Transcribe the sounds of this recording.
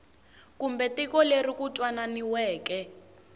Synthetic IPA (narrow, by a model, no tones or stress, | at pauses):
kumbɛtikɔlerikutʼwananiwɛːkɛ